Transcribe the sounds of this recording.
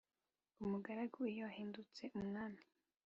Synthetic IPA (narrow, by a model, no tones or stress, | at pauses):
umuɡaɾaɡuijowahiːndut͡se̞ʔumnaːna